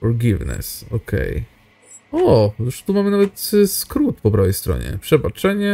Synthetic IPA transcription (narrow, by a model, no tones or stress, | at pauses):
ɔɾɡʲivnɛ̰sɔ̰kʰɛ̰j | ɔjuʂt̪umamɘnavɛt̪skɾut̪pɔpɾawɛjst̪ɾɔ̰ɲɛ̰pʂɛbat͡ʂɛɲɛ